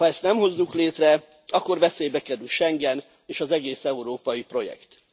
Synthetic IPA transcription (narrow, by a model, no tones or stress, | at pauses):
hɒɛst̪nɛmɦo̞zːukleːt̪rɛ | ɒkːo̞rvɛseːjbɛkɛɾylʃɛŋɡɛn | eːʃɒzɛɡeːsɛuɾoːpɒjipro̞jɛ̰kt̪